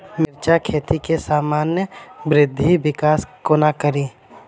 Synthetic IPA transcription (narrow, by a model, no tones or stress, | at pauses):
mɪɾt͡ʃakʰeːt̪ikesaːmaːnjəbɾɪd̪ʱːibɪkaːskonakəɾiː